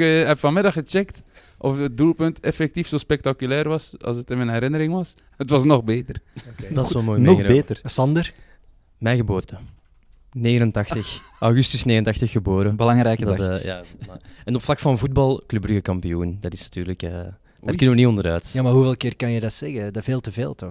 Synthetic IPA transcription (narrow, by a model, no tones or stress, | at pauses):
ɦɛpfɑnmɪdɑxət͡ʃɛkt | ʔɔfət̚dulˠpʏntɛfɛk̚tifsoːspɛk̚takylɛːrʋɑsɑ̰lˠsətəmənɦɛɾɪnəɾɪŋʋɑs | ətʋɑsnɔxbeːtərdɑsɛmoːjnɔŋbeːtərsɑndər | mɛjɣəboːrtə | neːɣənəntɑxttəx | ʔawɣʏstʏsneːɣəntɑxtəxːəboːɾəbəlɑŋɾɛjkədja̰ːɛnɔpflɑkfɑnvud̚bɑlˠklʏbləɣəkɑmpijund̥ɑtɪsnḁtyːrləkəː | daːrkʏnəʋəniɔndəɾœːtjaːmaːɦuveːlˠkɪːrkɑnjədɑtsɛɣədaveːlˠtəvḛːlˠtɔx